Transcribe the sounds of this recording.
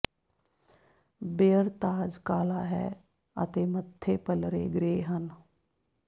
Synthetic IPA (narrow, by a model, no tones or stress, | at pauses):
beːəɾt̪aːd͡ʒkaːlaːɦɛ̰ː | ə̰t̪eːmət̪ʰːeːpəlɾḛːɡɾeːɦən